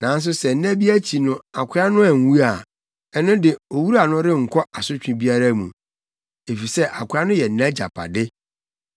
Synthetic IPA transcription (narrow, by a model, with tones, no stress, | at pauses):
nã˨˦n˦s̬ʊ˦sɛ˨n̩˦nã˦bi˦æ˦t͡ɕʰi˨nʊ̃˨a˨kʰɪ˦a˦nʊ̃˦a˨n̩˨wu˦a˨ | ɛ˦nʊ̃˦dɪ˨o˨wu˦ɾa˨nʊ̃˦ɾɪ˦ŋ̩˨kʰɔ˦a˨sʊ˦t͡ɕᶣɪ̃˨bi˦a˦ɾa˦mṵ̃˨ | e˨fi˨sɛ˦ʔa˨kʷʰa˦nʊ̃˦jɛ˨˦nã˦d͡ʑa̰˨pʰa̰˨dɪ˦